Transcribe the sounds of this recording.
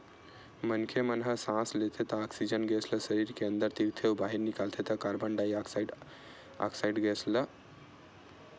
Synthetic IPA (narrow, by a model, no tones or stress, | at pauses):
mənkʰemənɦəsãslet̪ʰet̪ɔːksid͡ʒənɡesʰləsəɾiɾkeənd̪əɾt̪iɾt̪ʰeubaɦiɾnikalt̪ʰet̪əkaɾbəɳɖaiakɖ | a̰ksaiɖɡesʰlə